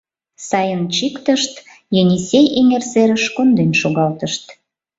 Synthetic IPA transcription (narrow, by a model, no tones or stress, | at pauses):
sɑjənt͡ɕikt̪əʃt̪ | jonʲisʲejʔeŋerseɾəʃkond̪ynʃoɣɑlt̪əʃt̪